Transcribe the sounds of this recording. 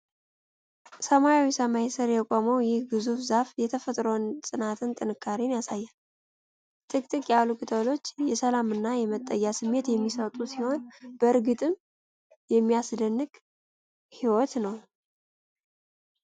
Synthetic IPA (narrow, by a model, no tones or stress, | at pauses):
səmajawisəmajesɨɾjɛkʷʼoməwjɪhɡɨzufzafjɛt̪ʰəfət̪ʼɾəwnsʼɨnat̪ʰɨnt̪ʼɨnɨkʰːaɾinjasajːan | t̪ʰʼɨkʼt̪ʼɨkʼjalukʰɨt̪ʰəlo̞t͡ʃːjɛsəlamɨnːajɛmət̪ʼːəjːasɨmːe̞t̪jɛmːisət̪ʼusiho̞nb̥əɨɾɡɨt̪ʼɨm | jɛmːijasd̪ənːɨɡ | hiwɔt̪nəw